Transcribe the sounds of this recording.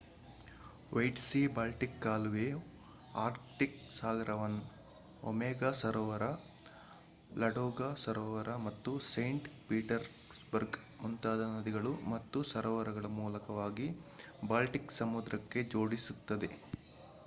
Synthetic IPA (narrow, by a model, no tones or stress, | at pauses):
ʋɐjʈsibaːlʈikːaːlʋe | aːɾkʈiksaːɡɾɐʋɐn | o̰mɛːɡasɐɾɔːʋɐɾɐ | lɐɽɔːɡasɐɾɔːʋɐɾʔɐmɐt̪ːusɐjɳʈpiːʈɐɾ | sbɐɾɡ | munt̪aːd̪ɐnɐd̪iɡɐɭumɐt̪ːusɐɾɔːʋɐɾɐɡɐɭɐmuːlɐkɐʋaːɡibaːlʈiksɐmud̪ɾɐkːe̞d͡ʒo̞ːɽisut̪ːɐd̪e̞